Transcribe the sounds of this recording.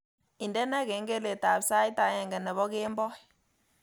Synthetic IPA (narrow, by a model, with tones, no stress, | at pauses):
i˨ndɛ˦nɛ˦ke˨˦ŋɡe˦le˨ta˨bsa˦i˦ta˨˦ɲɛ˨ŋɡɛ˨nɛ˨βɔ˦ke˦mbɔ˦˨